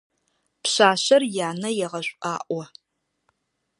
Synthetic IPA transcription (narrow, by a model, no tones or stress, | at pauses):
pɕʷaːɕɐrjaːnɐjɛʁɐɕʷʼʔʼa̰ːʔʼʷɐ